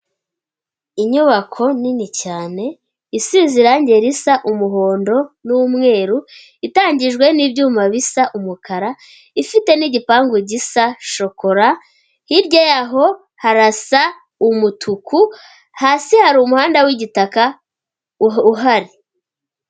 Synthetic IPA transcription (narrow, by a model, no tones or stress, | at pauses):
iɲuβakʰo̞ninicaːne̞ | isiːziɾaɲɟe̞ɾisaʔumuɦo̞ːndo̞numŋe̞ːɾu | itaːɲɟiʒɡwe̞nibɟuːmaβisaʔumukaɾa | ifite̞niɟipaːŋɡuɟisaʃo̞ko̞ɾa | hiɾɟojaɦo̞ | haɾasa | umutʰukʰu | haːsihaɾumuhaːndawiɟitaka | uɦaɾi